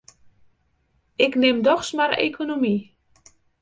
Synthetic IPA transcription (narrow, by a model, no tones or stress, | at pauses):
ɪknɪmdɔxsmaɾḛkʰonomi